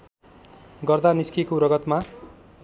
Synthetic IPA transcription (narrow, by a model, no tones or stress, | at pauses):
ɡʌrd̪aniskikoɾʌɡʌt̪ma